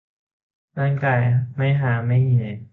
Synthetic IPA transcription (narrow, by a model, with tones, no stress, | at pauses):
naː˥˩ŋkaː˧˩jma˥˩jɦaː˨˩˦ma˥˩jɲi˨˩˨j